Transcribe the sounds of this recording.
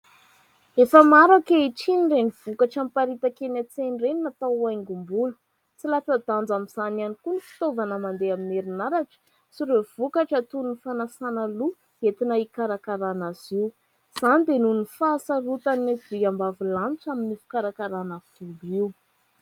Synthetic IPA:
efəmaɾakeiʈ͡ʂinireniv̥ukaʈ͡ʂampaɾit̪akenat͡senrenimat̪aajŋɡumbulə̥ | t͡silat͡sad̪and͡zamiz̥ananikunifi̥t̪ovanəmand̪eamineɾinaɾaʈ͡ʂə̥ | siɾev̥ukaʈ͡ʂat̪unnifanasanalu | et̪inaikaɾakaɾanaziw | z̥anid̪enunifasaɾut̪anad̪iambavilant͡saminifu̥kaɾakaɾanəv̥uliw

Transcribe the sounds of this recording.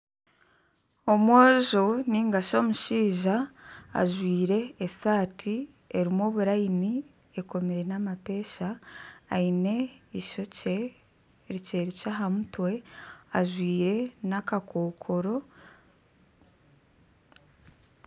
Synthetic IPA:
o̞mwoːʒoniːŋɡaʃo̞ːmuʃiːʒa̰ː | ʒwiːɾe̞ːsaːtʰi | e̞ɾimo̞ːβuɾaini | e̞ko̞meɾe̞namape̞ːʃaː | ine̞iʃo̞ce | ɾice̞ɾicaɦamutwe̞aʒwiːɾe̞nakakʰo̞ːkʰo̞ɾo̞

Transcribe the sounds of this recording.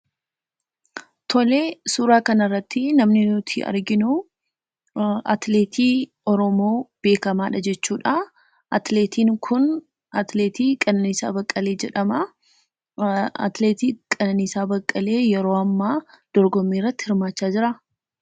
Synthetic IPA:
t̪ʰɔleːsuːɾaːkɐnɐrːɐt̪ːɪnɐmnɪnʊt̪ʰɪ̰ɐ̰ɾɡɪnʊ | ɐ̰t̪leːt̪ʰiː | ɔɾɔmoːb̥e̞ːkɐmaːᶑɐd͡ʒɛt͡ʃːuːᶑa | ʔɐt̪leːt̪ʰiːŋkʰʊn | ɐt̪leːt̪iːkʼɐnɐnɪsa̰ːbɐkʼːɐle̞ːd͡ʒɛᶑɐmɐ | ɐ̰t̪leːt̪iːkʼɐnɐnisaːbɐkʼːɐle̞ːjɛɾo̞ːɐmːaːd̪̥ɔɾɡɔmːiːrːɐt̪ːɪhɪɾmaːt͡ʃːaːd͡ʒɪɾɐ

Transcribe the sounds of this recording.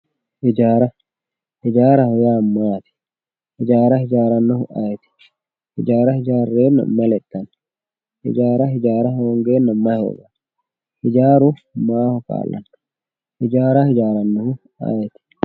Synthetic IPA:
hɪd͡ʒaːɾɐ | hɪd͡ʒaːɾɐhɔjaːmːaːt̪ɪ̥ | hɪd͡ʒaːɾɐhɪd͡ʒaːɾɐnːɐhʊʔɐjɛt̪ɪ̥ | hɪ̰d͡ʒaːɾɐhɪd͡ʒaːrːeːnːɐ̰mɐlɛt̪ːɐn | hɪ̰d͡ʒaːɾɐhɪd͡ʒaːɾɐɦoɔŋɡeːnːɐmːɐho̰ːʔɐn | hɪd͡ʒaːɾʊmaːhɔka̰ːlːɐ̰n | hɪd͡ʒaːɾɐhɪd͡ʒaːɾɐnːɐhʊ | ɐ̰jɛt̪ɪ̥

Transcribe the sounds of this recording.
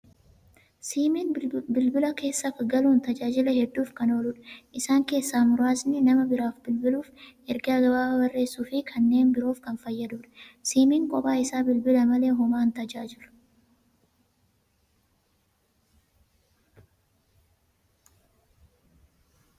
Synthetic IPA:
siːminbɪlbɪlɐke̞ːsːɐfɐɡɐluːnt̪ɐd͡ʒaːd͡ʒɪlɐhɛd̪ːuːfkɐno̞ːlʊːᶑɐ̥ʔɪsaːŋke̞ːsːaːmʊɾaːsnɪnɐmɐbɪɾaːfbɪlbɪluːfʔɛɾɡɐɐɡɐbaːɐbɐrːe̞ːsːuːfɪkʰɐnːe̞ːnbɪɾo̞ːfkɐnfɐjːɐd̪uːᶑɐ̥siːmiːŋkʼɔpʼaːɪsaːbɪlbɪlɐmɐle̞ːɦʊmaːnt̪ɐd͡ʒaːd͡ʒɪlʊ̥

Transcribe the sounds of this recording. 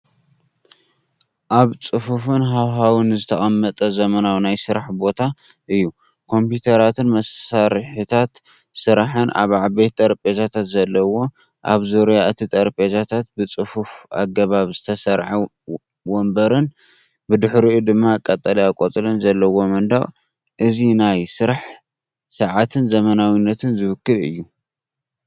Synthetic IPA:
ʔaβt͡sʼɨfufɨnɦawɦawɨnzɨt̪ʰɐχʼɐmːɐt̪ʼɐzɐmɐnawnajsɨɾaħbo̞t̪ʰa | ʔɨjːu | kʰo̞mpjut̪ʰɐɾat̪ʰɨnmɐsaɾħɨt̪ʰat̪ | sɨɾaħɨnʔa̰βʕaβet̪ʼɐɾpʼezat̪ʰat̪zɐlːɐwo̞ | ʔa̰βzoɾjaɨt̪ʰit̪ʼɐɾpʼezat̪ʰat̪̚bɨt͡sʼɨfufa̰ɡɐβaβzɨt̪ʰɐsɐɾʕa | wɔmbɐɾɨn | bɨd̪ɨħɾiud̪ɨmːakʼɐt̪ʼːɐliakʼot͡s̪ʼɨlɐnzɐlːɐwo̞mɐnd̪aɣʼ | ʔɨzinajsɨɾaħ | sɐʕat̪ʰɨnzɐmɐnawinːɐt̪ʰɨnzɨwɨkːɨlɨ̰jːu

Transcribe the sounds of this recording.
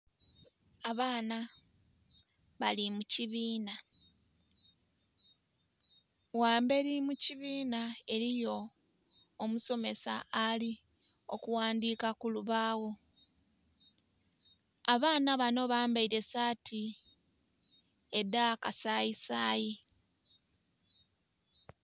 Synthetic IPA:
aβaːna | βalimuciβiːna | waːmbe̞ɾimuciβiːnae̞ɾijo̞ː | muso̞me̞sa̰ali | okuwaːndiːkakuluβaːwo̞ | aβaːnaβano̞βaːmbaiɾe̞saːtʰi | e̞dakasaːjisaːji

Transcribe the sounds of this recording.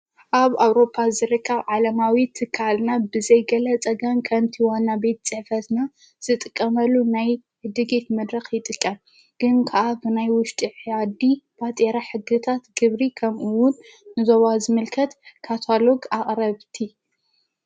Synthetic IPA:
ʔaβawɾo̞pʰːazɨɾɨkʼːɐβʕalɐmawit̪ʰɨkʰːalnabɨzɐjɡɐlɐt͡sʼɐɡɐmkʰɐmt̪ʰiwanːabe̞t̪̚t͡sʼɨħfɐt̪na | z̥ɨt̪ʼɨkʼːɐmɐlːunaj | ʕɨd̪ɨɡe̞t̪mɐd̪ɾɐxjɪt̪ʼɨkʼːɐm | ɡ̥ɨnkʰaʔabɨnajwʊʃt̪ʼiʕjad̪ib̥at̪ʼeɾaħɨɡɨt̪ʰat̪ɡɨβɾikʰɐmʔuwʊnː | ɨzoβazɨmɨlkʰɐt̪kʰat̪ʰalo̞ɡaχʼɾɐβt̪ʰi

